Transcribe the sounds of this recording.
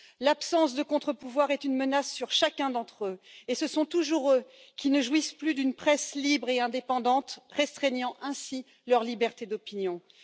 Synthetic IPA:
lapsɑ̃sd̪əkɔ̃t̪χəpuvwaʁɛt̪ynmənasːyʁʃakʲɛ̃d̪ɑ̃t̪χøesəsɔ̃t̪uʒuʁø | kʲinəʒwisplyd̪ynpχɛslibʁeɛ̃d̪epɑ̃d̪ɑ̃t̪ʁɛst̪χɛɲɑ̃ʔɛ̃si | lœʁlibɛʁt̪ed̪ɔpinjɔ̃

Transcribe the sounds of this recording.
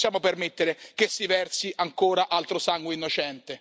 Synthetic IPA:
sjaːmopermet̪ːeɾek̟esːivɛrsiʔaŋkoːɾaʔalt̪ɾosaŋɡweinːot͡ʃɛnt̪e

